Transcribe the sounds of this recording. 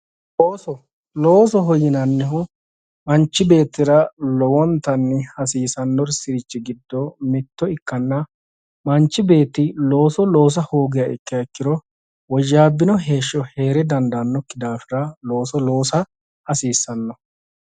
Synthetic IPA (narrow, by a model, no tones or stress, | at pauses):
ʔoːsɔ | loːsɔɦɔjɪnɐnːɛɦʊ | mɐnt͡ʃːɪbe̞ːt̪ːɪɾɐlɔwɔnt̪ːɐnːɪhɐsiːsɐnːɔɾsɪɾɪt͡ʃːɪɡɪd̪ːɔmɪt̪ːɔɪkːɐnːɐ | mɐnt͡ʃːɪbe̞ːt̪ːɪlo̞ːsɔlo̞ːs̬ɐhoːɡɪjɐʔɪkːɪjɐkːɪd̪ɔ | wɔʒaːbːɪnɔɦeːʃːɔhe̞ːɾɛd̪ɐnd̪ɐnːɔkːɪd̪aːfɪɾɐlo̞ːsɔlo̞ːsɐ | hɐsiːsːɐnːɔ